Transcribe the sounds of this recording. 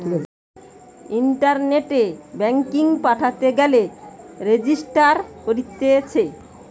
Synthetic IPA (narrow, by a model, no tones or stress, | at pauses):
iɳʈaɾneʈebɛŋkiŋpaʈʰat̪eɡɛleɾed͡ʑisʈaɾkoɾit̪ːet͡ɕʰe